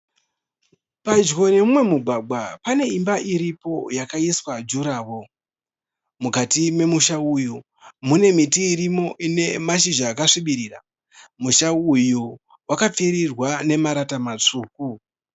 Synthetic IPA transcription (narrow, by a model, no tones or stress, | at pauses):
pad͡ʒɣo̞ne̞mumwe̞muɡʱwaɡ͡bwapane̞imbaʔiɾipo̞jakaiswad͡ʒuɾaːwo̞ | mukatime̞muʃauju | mune̞mitiːɾimo̞ʔine̞maʃiʒaːkaʂiɓiɾiːra̰ | muʃauju | wakap͡fiɾirwane̞maɾatamat͡ʂuːku